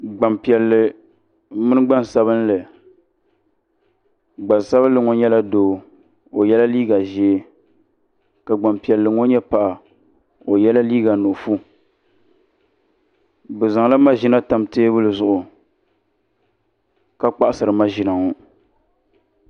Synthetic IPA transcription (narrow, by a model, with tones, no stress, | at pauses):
ɡ͡ba˨mpi˨ɛ˨lːɨ˨ | mɨ˦nɨ˦ɡ͡ba˦n˨sa˦βɨ˦n˦lɨ˨ | ɡ͡ba˨n˨sa˦bɨ˦lɨ˨ŋo˦ɲɛ˦la˦doː˨˦ | o˨jɛ˦la˦liː˦ɡa˨ʒɛ˦ | ka˨ɡ͡ba˨mpi˨ɛ˨lːɨ˨ŋo˦ɲɛ˦pa˨ʔa˨ | o˨jɛ˦la˦liː˦ɡa˨no˨fu˦ | bɨ˨za˨ŋ˦la˦ma˦ʒi˦na˦ta˨mteː˦bɨ˦lɨ˨zʊ˨ʔʊ˨ | ka˦k͡pa˦ʔa˦sɨ˨ɾɨ˨ma˦ʒi˨na˨ŋo˦